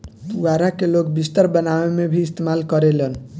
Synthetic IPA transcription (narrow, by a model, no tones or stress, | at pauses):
d̪uaɾakelokbist̪əɾbənawemebʱiːst̪emalkəɾelən